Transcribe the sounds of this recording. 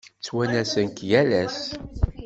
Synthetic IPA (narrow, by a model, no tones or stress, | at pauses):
t͡sːwænæsənkjælæs